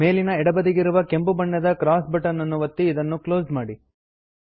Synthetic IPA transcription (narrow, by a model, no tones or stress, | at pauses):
me̞ːlinɐɛɽɐbɐd̪iɡiɾuʋɐke̞mbubɐɳːɐd̪ɐkɾaːsbɐʈɐnːɐnːuʋɐt̪ːiːd̪ɐnːuklo̞ːsmaːɽi